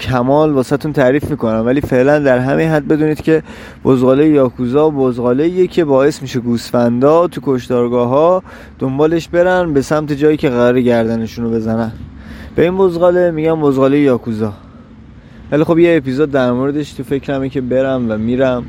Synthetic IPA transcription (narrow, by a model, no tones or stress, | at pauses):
cʰæmɒːlbɒːsæt̪ʰunt̪ʰæɾiːfmiːkʰo̞næmvæliːfe̞ʔlænd̪æɾɦæminɦæd̪̚be̞d̪uːniːd̪̥cʰe̞ | b̥ozɣɒːlejejɒːkʰuzɒːbozɣɒːleiːjecʰe̞bɒːje̞smiʃe̞ɡusfænd̪ɒːt̪ʰukʰo̞ʃt̪ɒːɾɡɒːɦɒː | d̪̥ombɒːle̞ʃbe̞ɾænbe̞sæmt̪ʰe̞d͡ʒɒːjiːcʰe̞ɣæɾɒːɾeɟæɾd̪æneʃunobe̞zænænb̥e̞inbo̞zɣɒːle̞miːɟæmbozɣɒːle̞jejɒːkʰuzɒː | vælixo̞bjeːpizod̪ːæɾmoɾe̞d̪eʃt̪ʰufe̞cʰɾæmicʰe̞be̞ɾæmvæmiːɾæm